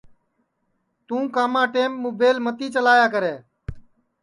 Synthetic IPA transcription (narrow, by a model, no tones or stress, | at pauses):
t̪ũːkaːmãːʈeːmːuːbeːlmət̪iːt͡ʃəlaːjaːk̬əɾeː